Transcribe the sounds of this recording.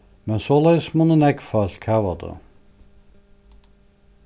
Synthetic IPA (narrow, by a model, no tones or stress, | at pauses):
mɛnsoːlɛɪsmunənɛɡfœlt̪kʰaːʋɑd̪ə̰